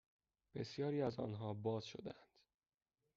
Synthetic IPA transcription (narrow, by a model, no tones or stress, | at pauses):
b̥e̞sjɒːɾiːæzɒ̰ːnɦɒːbɒːz̥ʃo̞̰d̪ænd̪̥